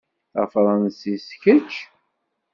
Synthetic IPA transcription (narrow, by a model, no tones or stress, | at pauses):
θæ̰fɾˤɑnsisçət͡ʃː